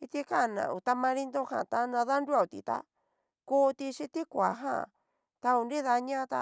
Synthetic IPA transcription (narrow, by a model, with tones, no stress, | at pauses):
i˧t̪i˧ka˦˨nã̰˨u˨t̪a˧mã˧ɾi˧nd̪o˦hã̰˨t̪a˦nã˧ða˦nɾu˦a˦˧u˨t̪ḭ˧t̪a̰˦ | kuː˦t̪i˧ʃi˧t̪i˦kʷa˨ɦã̰˦˨ | t̪a˧u˨nɾi˦ða˧ɲã˦˧t̪a̰˧